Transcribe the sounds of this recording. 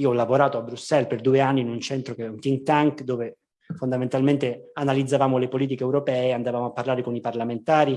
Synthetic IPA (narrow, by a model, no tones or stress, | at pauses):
iːoɔlːavoɾaːt̪oabɾusːɛlperd̪uːeanːiːnunt͡ʃɛnt̪ɾokeunt̪iŋɡt̪aŋkd̪oːve | fond̪ament̪alment̪eanalid̪zːavaːmolepoliːt̪̬ikeːwɾopɛːeand̪avaːmoapːarlaːɾekoniparlament̪aːɾi